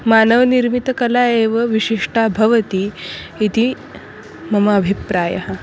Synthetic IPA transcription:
maːnəʋniɾmit̪ɐkɐlaːeːʋəʋiɕiʂʈabʱɐʋət̪i | it̪i | mɐmɐːbʱipɾaːjɐ̰ɦə

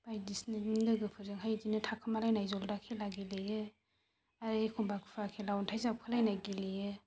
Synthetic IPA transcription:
b̥ajdisnɯindɯɡɯpʰɯɾzɯŋɦajdinɯtʰakʰɯmalajnajzɔldakʰelaɡilɯjɯ | aɾijkʰɔŋbakʰɯpʰakʰelawntʰajzap̚kʰɯlajnajɡilɯjɯ

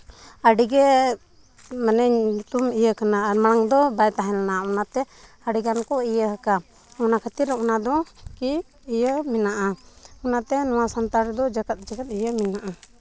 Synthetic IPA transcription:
əɖiɡɛ | manɛɲut̪umijəkanamaɽ̃aŋd̪ɔbajt̪aɦɛlnaɔnat̪ɛ | əɖiɡankɔijəɦəka | ɔnakʰət̪iɾɛunad̪ɔkiː | jəminaʔaɔnat̪ɛnɔw̃asant̪aɾd̪ɔd͡ʒaɡat̪̚d͡ʒaɡat̪̚ijəminaʔa

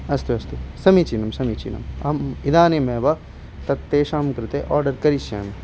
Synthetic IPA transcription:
ɐst̪uɐst̪usɐmit͡ʃinɐmsɐmit͡ʃḭːnɐ̰mɐ̰mid̪aːnemeːʋɐ | t̪ɐt̪ːeːʃaːmkɾɪt̪eʔɔːɾɖɐɾkɐɾiʃja̰ːm

